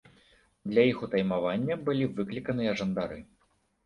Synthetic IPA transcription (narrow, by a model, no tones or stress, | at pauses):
d̪lʲɐjixut̪ajmavanʲːɐbɨlʲivɨklʲikɐnɨjɐʐɐnd̪aɾɨ